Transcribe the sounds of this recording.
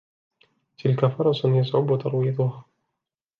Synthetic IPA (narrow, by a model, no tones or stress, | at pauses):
t̪ʰɪlkafɑɾˤɑsˤjasˤʕʊbʊt̪ɑɾˤwijɑd̪ˤʊhaː